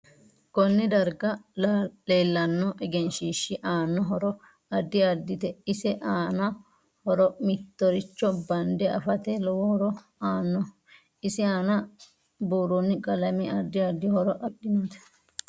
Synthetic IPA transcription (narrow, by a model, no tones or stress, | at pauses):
kɔnːɪd̪ɐɾɡɐlleːlːɐnːɔʔɛɡɛnʃiːʃːɪʔaːnːɔɦɔɾɔ | ɐd̪ːɪɐd̪ɪt̪ɛɪsɛʔaːnɐ | hɔɾɔmɪt̪ːɔɾɪt͡ʃːɔbɐnd̪ɛɐ̰fɐt̪ɛlɔwɔhɔɾɔ | aːnːɔ | ɪsɪaːnɐ | buːɾunːɪkʼɐlɐmɪɐd̪ːɪɐd̪ːɪhɔɾɔʔɐɗɪnɐt̪ɛ̥